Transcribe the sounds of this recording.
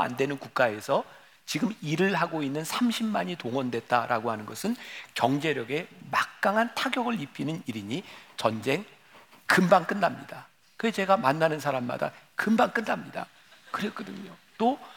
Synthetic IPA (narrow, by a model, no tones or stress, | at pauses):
a̰ndwe̞nɯnkuk̚k͈ae̞sʰʌ | t͡ɕiɡɯmiɾɯɭɦaɡoinːɯnsʰamɕʰimːaɲitoŋwʌndwe̞t̚t͈aɾʔa̰ɡoɦanɯnɡʌsʰɯnkjʌŋd͡ʑe̞ɾjʌɡe̞mak̚k͈aŋɦantʰaɡjʌɡɯɭipʰinɯniɾiɲit͡ɕʌnd͡ʑe̞ŋ | kɯmbank͈ɯnːamɲida | kɯet͡ɕe̞ɡamanːanɯnsʰaɾamːa̰da̰kɯmbank͈ɯnːamɲida̰ | kɯɾek͈ɯdɯ̰ɲot͈o